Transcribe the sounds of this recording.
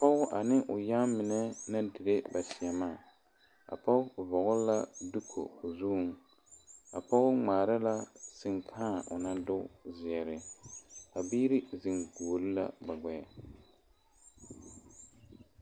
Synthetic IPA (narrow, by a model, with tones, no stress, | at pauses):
pɔ˦ʊ˦ʔa˨nɪ˦ʔʊ˨ja˦mɪ˨nɛ˦na˦di˨ɾe˦ba˨sɪ˨ɛ˨maː˦˨ | a̰˨pɔ˦vɔ˨ɣʊ˦la˦du˦kʰo̰˨ʊ˨zu˦˨ŋ | a̰˨pɔ˦ʊ˦ŋ͡maː˨ɾa˦la˦sɪ˨ŋkʰaː˦˨ʔʊ˨na˦dʊ˦zɪ˨ɛ˨ɾɪ˨ | a˨bi˦ɾɪ˦zɪ˨ŋɡoː˨lɪ˦la̰˦ba˨ɡɛ˨ja˨